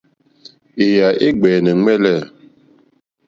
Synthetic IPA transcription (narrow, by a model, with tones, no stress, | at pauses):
e˨ja˨ʔe˦ɡ͡bɛː˨nɛ˨ŋɛ˦lɛ˦˨